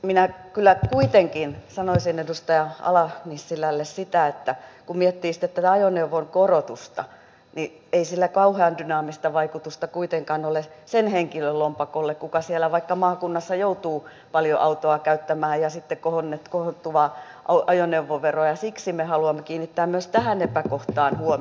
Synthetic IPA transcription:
minækylːækuit̪eŋkinsɑnoisinedust̪ɑjɑɑ̰lɑnisːilælːessit̪æet̪ːækumiɛt̪ːiːsit̪et̪ːæt̪æɑjoneuʋoŋkorot̪ust̪ɑ̰ | ni | eisilːækɑuheɑndynɑːmist̪ɑʋɑikut̪ust̪ɑkuit̪eŋkɑnolesenheŋkiløllompɑkolːekkukɑsielæʋɑikːɑmɑːkunːɑsːɑjout̪uː | pɑljo̰ʔɑut̪oɑkæyt̪ːæmæːjjɑsit̪ːekkohonːet̪kohot̪ːuʋɑ | ʔɑuʔɑjoneuʋːoʋeroɑjɑsiksimehɑluɑmːekiːnːit̪ːæːmmyøst̪æhænepækoht̪ɑːnhuo

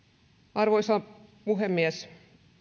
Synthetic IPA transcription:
ɑrʋoisɑpuɦemːies

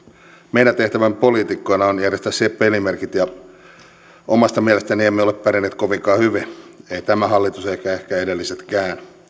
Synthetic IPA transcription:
meinæt̪eht̪æʋæmpolit̪ikːojnɑonjærjest̪æsepːelimerkit̪jɑ | omɑst̪ɑmiɛlest̪æniemːeoleppæɾinːeːt̪koʋiŋkɑːhyʋieit̪æmæhɑlːit̪useikæehkæedelːiset̪kæːn

